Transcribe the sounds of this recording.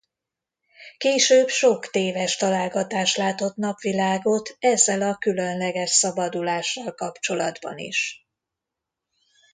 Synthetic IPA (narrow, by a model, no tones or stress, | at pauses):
keːʃøːbʃo̞kt̪eːvɛʃt̪ɒlaːlɡɒt̪aːʃlaːt̪o̞t̪nɒpʋilaːɡo̞t̪ʰɛzːɛlɒkylønlɛɡɛʃsɒbɒd̪ulaːʃːɒlkɒpt͡ʃo̞lɒd̪bɒ̰nḭʃ